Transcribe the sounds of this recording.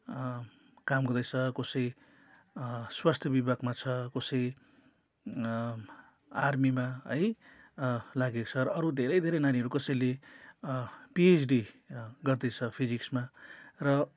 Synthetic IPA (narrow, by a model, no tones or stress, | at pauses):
kamɡʌrd̪ʌjt͡sʰʌkosʌj | swast̪ʰjʌbibʱaɡmat͡sʰʌkosʌj | armimaʌj | laɡekot͡sʰʌɾʌʌɾud̪ʱeɾʌjd̪ʱeɾʌjnaniʌɾukʌsʌjle | piesɖiɡʌrd̪ʌjt͡sʰʌpʰid͡ziksmarʌ